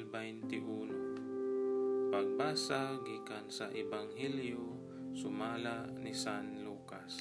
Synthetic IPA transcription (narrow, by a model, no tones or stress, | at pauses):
lbajnt̪ɪʔuːno | paɡ̚baːsaɡiːkansaʔɛbaŋɦɛljo | sʊmaːlaʔnisanluːkas